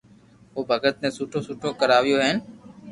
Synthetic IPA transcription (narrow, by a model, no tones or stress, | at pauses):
ʋoːbʱəɡət̪̚nẽːsuːʈʰõːsuːʈʰõːkəɾaːʋɪjoːɦɛːn